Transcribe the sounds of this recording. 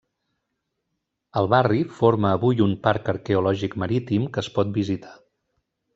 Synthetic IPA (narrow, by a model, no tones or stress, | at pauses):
əlˠβarifoɾməːβujumpaɾkəɾkɛulɔʒikməɾit̪imkəːspɔt̪̚bizit̪ḁ